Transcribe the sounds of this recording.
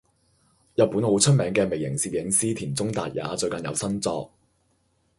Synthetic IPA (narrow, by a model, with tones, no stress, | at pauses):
jɐ˨t̚pːu˨˥nho˨˧wt͡ʃʰɵ˥t̚mɛː˨˥ŋkɛː˧me˨jɪ˨˩ŋsiː˨p̚jɪ˨˥ŋsiː˥t̪ʰiː˨˩nt͡sʊ˥ŋt̪aː˨t̚ja̰ː˨˥t͡ʃɵ˧ɥkɐ˨njɐ˨˧wsɐ˥nt͡sɔː˧k̚